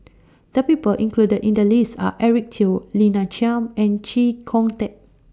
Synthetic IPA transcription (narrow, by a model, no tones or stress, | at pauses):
d̥əpipəlʔĩŋkludədĩndəlista̰ʔɛɹik̚tʰillinat͡ʃiãmɛ̃nt͡ʃikʰɔ̃ŋtɛt̚